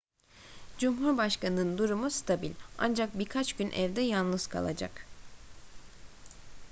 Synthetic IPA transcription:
d͡ʒumɦuɾbaʃkanɯnɯnd̪uɾumust̪ʰabilʲa̰nd͡ʒak̚biɾkʰat͡ʃɟynʔævd̪ɛjanˠlˠɯz̥kʰa̰lˠa̰d͡ʒa̰k

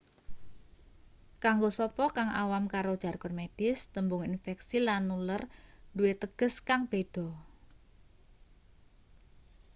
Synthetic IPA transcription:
kaŋɡosɔpɔkaŋa̰wamkaɾod̥ʒ̥a̤rkʊrmed̥ɪst̪əmbʊŋinfɛksilanːulərduwet̪əɡ̥ə̤skaŋb̥ed̪̥ɔ̤

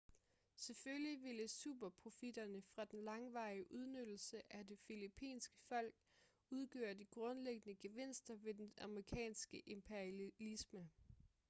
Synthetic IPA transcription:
se̝føljiʋe̝ləsṵːb̥ɐpʰʁo̝fid̥ɐnəfʁɑ̈d̥enlɑ̈ŋʋɑ̈ɪiʔuð̞ˠnød̥l̩səʔæde̝filipʰḭːnsɡ̥ə̥fɒ̽l̰ɡ̥ | uð̞ˠɡ̥ø̰ːɐdiɡ̥ʁɔ̽nleɡ̥ənəɡ̥e̝ʋe̝n̰sd̥ɐʋe̝d̥enɑ̈mʁikʰɛ̰ːnsɡ̥əʔe̝mpʰeɐælismə

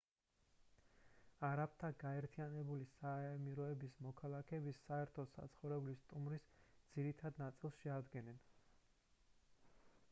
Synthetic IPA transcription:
aɾap̚ʰt̪ʰaɡaɛɾt̪ʰijanɛbulisaɛmiɾɔɛbismɔkʰalˠakʰɛːbisːaɛɾt̪ʰɔsa̰t̪sʰχɔvɾɛblist̪ʼumɾisd̪z̥iɾit̪ʰad̪nat̪sʼilˠsʃɛad̪ɡɛnɛn

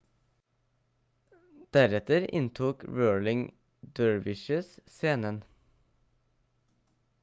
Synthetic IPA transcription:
d̪̥æɾɛt̪əɾɪ̰nt̪ʰuːkɹøːɭɪŋ | d̪øːɹʋɪʃəsseːnən

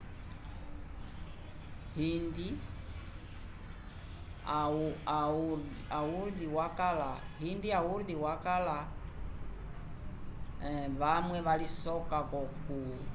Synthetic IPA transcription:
hindi | aa | auɾdiwakalahindiauɾdiwakala | βamwɛβalisɔkakɔku

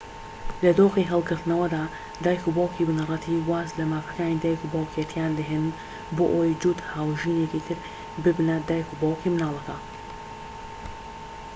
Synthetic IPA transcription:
lɐd̪oːxiɦɐlˠɡɨɾt̪nɐwɐd̪aː | d̪aːjkubawkiːbɨnɨrˤɐt̪ʰiːwaːzlɐmaːfɐkaːnid̪aːjkubawkijɛt̪ʰijaːnd̪ɐɦenɨn | boːʔojd͡ʒuːd̪haːwʒiːnekit̪ʰɨɾ | bɨbnɐd̪aːjkubaːwkimɨnaːlˠɐkɐ

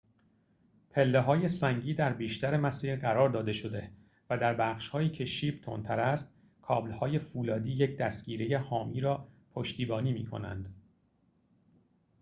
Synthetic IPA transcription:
pʰe̞lːeɦɒːje̞sæŋɟiːd̪æɾbiːʃt̪æɾe̞mæsiːɾɢæɾɒːɾd̪ɒːd̪e̞ʃo̞d̪e̞ | væd̪æɾbæːχʃhɒːiːcʰeʃiːbt̪ʰo̰nt̪ʰæɾæst̪̚ | kʰɒːblhɒːje̞fuːlɒːd̪iːjecʰd̪æst̪ɡiːɾeje̞hɒːmiːɾɒː | pʰo̞ʃt̪iːbɒːniːmḭːkʰo̰næ̰nd̪̥

